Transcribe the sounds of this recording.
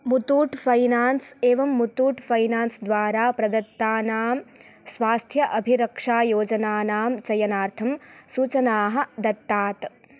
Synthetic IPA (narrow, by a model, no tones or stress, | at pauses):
mut̪uːʈpʰɐjnaːnseːʋɐmːut̪uːʈfʰɐjnaːnsd̪ʋaːɾaːpɾɐd̪ɐt̪ːaːnaːm | sʋaːst̪ʰjɐʔɐbʱiɾɐkʂaːjoːd͡ʒɐnaːnaːmt͡ʃɐjɐnaːɾt̪ʰɐmsuːt͡ʃɐnaːɦɐ̆d̪ɐt̪ːaːt̪